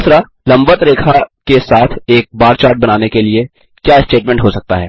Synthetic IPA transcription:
sɾa | lɐ̃mbət̪ɾeːkʰakesaːt̪ʰeːk̚baːɾt͡ʃaːɾʈ̚bɐnaːnekelie | kjaːɪsʈeːʈmɛ̃ɳʈɦosɐk̚t̪aɦɛ̰ː

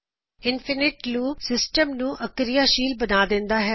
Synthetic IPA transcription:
ɪnfʰɪnɪʈluːpsɪsʈəmnũːʔəkɾɪjaːʃiːlbənaːd̪ɪ̃nd̪aːɦɛː

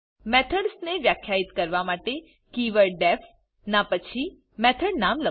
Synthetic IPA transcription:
mɛt̪ʰəɽsneʋjakʰjait̪kəɾʋamaʈe | kiʋəɭɖɛf | napət͡ʃʰi | mɛt̪ʰəɽnamlə

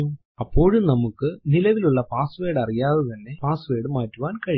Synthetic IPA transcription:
ɐpːo̞ːɻumnɐmukːɨnilɐʋiluɭːɐpaːsʋeːɽɐrijaːðɨt̪ɐnːe̞paːsʋe̞ːɽɨmaːtːuʋaːnkɐɻi

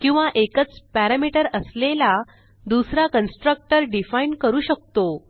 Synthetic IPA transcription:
kĩw̃ʋaʔekət͡spæɾamiʈəɾəslela | d̪usɾakənsʈɾək̚ʈəɾɖifaiɳɖkəɾuːɕək̚t̪o

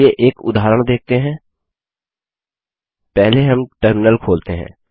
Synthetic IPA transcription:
eʔeːkʊ̰d̪aːɦɾəɽ̃d̪eːk̚ʰt̪eɦɛ̃ː | pɛɦleɦɐmʈəɾmɪnəlkʰoːlt̪eɦɛ̰̃ː

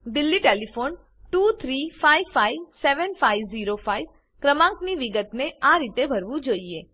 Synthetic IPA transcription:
d̪ɪlːiʈelifon | ʈut̪ʰɾifaiʋfaiʋseʋənfaiʋziɾofaiʋ | kɾəmãŋkniʋiɡət̪neaɾit̪ebʱəɾʋũd͡ʒoːie

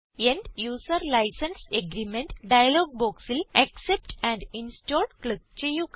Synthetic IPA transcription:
ẽnɖjuːsəɾlaɪsɐ̃nseɡɾiːmẽɳʈɖaɪɐloːɡ̚boːksilɐksep̚ʈæ̃ɳɖĩnsʈoːɾɖklik̚t͡ʃejuːk

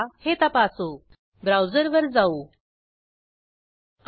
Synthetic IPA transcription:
het̪apasu | bɾawd͡zəɾʋəɾd͡zauː

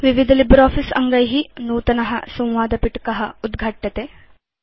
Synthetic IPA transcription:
ʋiʋid̪ʱɐlibɾaːfisɐ̰ŋɡɐjɦinuːt̪ɐnɐɦɐ̰sɐ̃w̃ʋaːd̪ɐpiʈkɐɦɐud̪ɡʱɐʈjɐt̪e

